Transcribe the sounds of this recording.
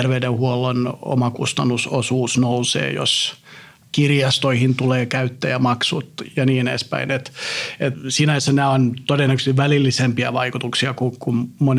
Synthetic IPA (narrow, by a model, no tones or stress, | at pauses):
erʋeydehuolːono̰mɑkust̪ɑnːusosuːsnousḛːjo̰s | kirjɑst̪oihint̪uleːkæyt̪ːæjɑmɑksut̪jɑniːnḛspæ̰inet̪et̪siːnɑesænæːont̪odenːækøsiʋʋælilːisempiæʋɑikut̪uksiɑkukummon